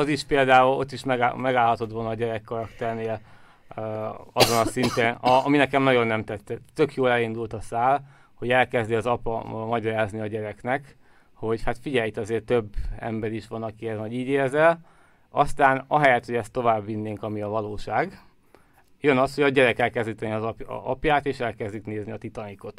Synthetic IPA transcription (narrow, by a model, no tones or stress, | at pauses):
ɒziʃpeːld̪aːulo̞̰t̪ːiʃmɛɡ̰mɛɡaːlɦɒt̪o̞t̪o̞lnɒːɟɛɾɛkːɒɾɒkt̪ɛrneːl | ɒzo̞nɒsint̪enɒɒminɛkɛmnɒɟo̞nːɛmt̪ɛt̪ːɛt̪ːø̞kjoːlɛlind̪ult̪ɒsaːl | ho̞ɟɛlkɛzd̪iɒzɒpɒmɒɟɒɾaːzniɒɟɛɾɛknɛk | ho̞ɟhat̪fiɟɛjt̪ɛɒzeːrt̪ø̞bːɛ̰mbɛɾiʃʋɒnɒkiɛznɒɟiːɟeːrzɛl | ɒst̪aːnɒɦɛjɛt̪hoɟɛst̪ːo̞vaːbːinːeːŋkɒmiɒvɒloːʃaːɡ | jønɒsho̞ɟɒɟɛɾɛkɛlkɛzd̪iːt̪ɛniɒzɒpɒpjaːt̪eːʃɛlkɛzd̪ikneːzniɒt̪it̪ɒniko̞t̪